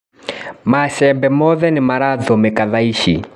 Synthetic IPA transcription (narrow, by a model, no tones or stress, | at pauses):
masɛmbɛmɔðɛnimaɾaðɔmɛkaðaiʃḭ